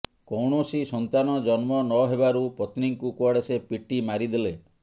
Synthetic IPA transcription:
kɔwɳosisɔnt̪anɔd͡ʒɔnmɔnɔɦebaɾupɔt̪niŋkukuɔɽesepiʈimaɾid̪ele

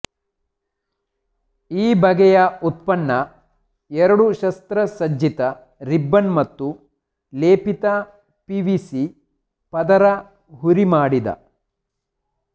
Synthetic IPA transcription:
iːbɐɡɛjɐut̪̚pɐnːɐ | ɛɾɐɽuʃɐst̪ɾɐsɐd͡ʒit̪ɐ | ɾibːɐnmɐt̪ːu | leːpit̪ɐ | piʋisi | pɐd̪ɐɾɐ | ɦuɾimaːɽid̪ɐ̰

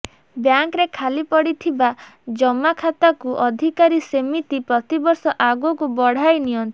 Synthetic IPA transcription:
bjaŋkɾekʰalipɔɽit̪ʰibad͡ʒɔmakʰat̪akuʔɔd̪ʱikaɾisemit̪ipɾɔt̪ibɔɾsɔʔaɡukubɔɽ̤ajnijɔnt̪i

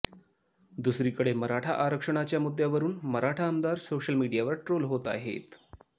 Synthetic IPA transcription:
d̪usɾiːkəɽeməɾaʈʰa̰ʔaɾəkʂəɳ̃at͡ɕjamud̪ʱːjaʋəɾuːnməɾaʈʰaəmd̪aɾsoɕəlmiɖijaʋəɾʈɾolɦot̪a̰ɦḛt̪

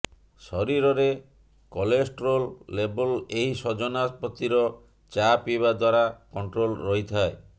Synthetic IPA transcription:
sɔɾiɾɔɾe | kɔlesʈɾolːebɔleɦisɔd͡ʒɔnaspɔt̪ːiɾɔ | t͡ʃapibad̪waɾakɔɳʈɾolɾɔɦit̪ʰae

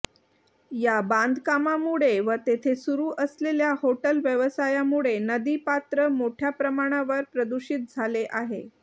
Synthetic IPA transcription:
jaband̪kamamuɭeʋət̪et̪ʰesuɾuːʔəsleljahoʈəlʋjəʋəsajamuɭenəd̪iːpat̪ɾəmoʈʰjapɾəmaɽ̃aʋəɾpɾəd̪uɕit̪̚d͡zʱaleʔaɦḛ

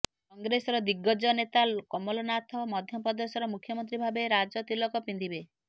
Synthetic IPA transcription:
kɔŋɡɾesɔɾɔd̪iɡɔd͡ʒɔnet̪akɔmɔlɔnat̪ʰɔmɔd̪ʱjɔpɔd̪ɔsɔɾɔmukʰjɔmɔnt̪ɾibʱabeɾad͡ʒɔt̪ilɔkɔpind̪ʱibe

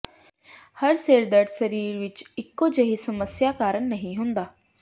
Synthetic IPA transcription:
həɾseːɾd̪əɽsəɾiːɾʋit͡ʃikːod͡ʑəɦisəməsjakaːɾəɳnəɦĩɦõnd̪aː

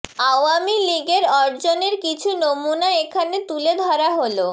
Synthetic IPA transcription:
awamiliɡeɾɔɾd͡ʑoneɾkit͡ɕʰunomunaekʰanet̪uled̪ʱɔɾaɦolo

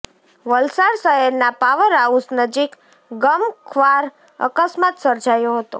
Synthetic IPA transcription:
ʋəlsaɾsəɦɛɾnapaʋəɾausnəd͡ʒik | ɡəmkʰʋaɾ | ə̰kəsmat̪səɾd͡ʒajoɦət̪o̰

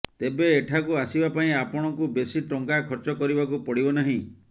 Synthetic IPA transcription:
t̪ebeːʈʰakuasibapaĩapɔɽ̃ɔŋkubesiʈɔŋkakʰɔɾt͡ʃɔkɔɾibakupɔɽibɔnaɦĩ

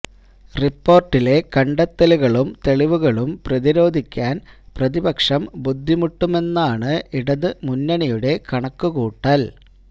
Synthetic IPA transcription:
ripːo̞ːrʈːile̞kɐɳɖɐt̪ːɐluɣɐɭumt̪e̞ɭiʋuɣɐɭumprɐðiɾo̞ːd̪ʱikʲːaːnprɐðibɐkʂɐmbud̪ʱːimuʈːume̞nːaːɳɨiɽɐðɨmunːɐɳɐjuɽe̞kɐɳɐkːuɣuːʈːɐl

